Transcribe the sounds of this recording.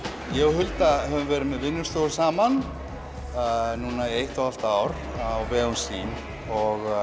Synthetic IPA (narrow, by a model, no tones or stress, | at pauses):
jɛhʏlt̪ahɛvʏɾvɛːɾɪmɛðvɪnːʏɾ̥st̪oːɣʏsaːman | nuːnaejht̪awalt̪aaːwɾ | awvɛːɣunsiːn | ɔɣ